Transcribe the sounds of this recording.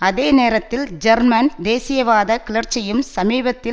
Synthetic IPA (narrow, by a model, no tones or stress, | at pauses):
ɐðeːneːɾɐt̪ːɪld͡ʒɐɾmɐnd̪eːsɪjɐʋaːðɐkɪlɐrt͡ʃːɐjɯmsɐmiːbɐt̪ːɪ